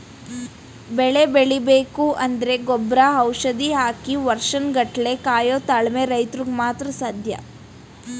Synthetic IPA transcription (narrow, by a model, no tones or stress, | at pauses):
bɛɭebeɭibeːkuʔɐnd̪ɐɾe̞ɡɔbɾaːɦɐwʂɐd̪iɦaːkiʋɐɾʂɐnɡɐʈle̞kaːjoːt̪aɭmeɾɐjt̪ɾuɡmaːt̪ɾɐsaːd̪ʱjɐ̰